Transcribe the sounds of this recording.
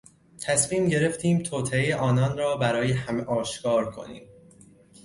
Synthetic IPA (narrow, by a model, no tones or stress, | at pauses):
t̪ʰæsmiːmɟe̞ɾe̞ft̪ʰiːmt̪ʰoːt̪ʰeejeʔɒːnɒːnɾɒːbæɾɒːjehæmeʔɒːʃkʰɒːɾkʰo̞̰nḭːm